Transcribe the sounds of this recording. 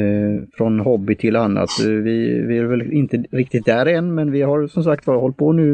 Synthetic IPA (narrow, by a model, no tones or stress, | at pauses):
fɾɔnɦɔbːɪt̪ʰɪlanːa̰t̪vɪvɪæɾvɛlɪnt̪əɾɪk̚t̪ɪt̪̚d̪æɾɛnːmɛnvɪɦaɾsɔmsak̚t̪bɑːɾaɦɔlt̪̚pʰɔnʉ̟ː